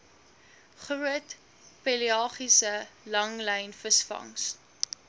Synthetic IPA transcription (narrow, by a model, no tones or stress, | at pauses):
χruət | peliɑːχisəlɐŋləjnfəsfɐ̰ŋs